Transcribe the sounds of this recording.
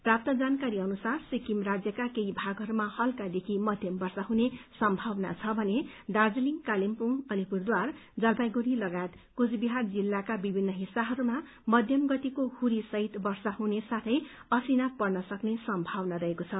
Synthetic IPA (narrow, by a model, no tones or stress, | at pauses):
prap̚t̪ʌd͡zankaɾiʌnusarsikimrad͡zjʌkakeibʱaɡɦʌɾumahʌlkad̪ekʰimʌd̪ʱjʌmbʌrsaɦunesʌmbʱʌwna̰t͡sʰʌbʱʌneɖard͡zliŋkalimpuŋʌlipurd̪ward͡zʌlpajɡuɾilʌɡajet̪kut͡sʰbiɦard͡zilːakabibʱinːʌɦisːaɦʌɾuma | mʌd̪ʱjʌmɡʌt̪ikohuɾisʌɦit̪bʌrsaɦunesat̪ʰʌjʌsinapʌrnʌsʌknesʌmbʱawnaɾʌɦekot͡sʰʌ